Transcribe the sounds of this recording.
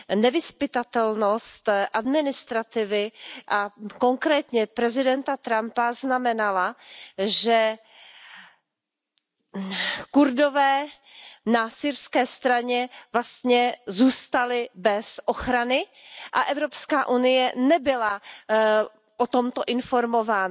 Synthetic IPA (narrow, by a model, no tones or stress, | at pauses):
nɛvɪspɪt̪at̪ɛlnost̪ʔadmɪnɪst̪ɾat̪ɪvɪʔako̞ŋkɾɛːt̪ɲɛpɾɛzɪdɛnt̪at̪ɾampaznamɛnalaʒɛ | kuɾdovɛː | nasiɾskɛːst̪ɾaɲɛvlast̪ɲɛzuːst̪alɪbɛsʔoxɾanɪʔaʔɛvɾopskaːʔunɪjɛnɛbɪla | ʔot̪o̞mt̪o̞ʔɪnfoɾmovaːn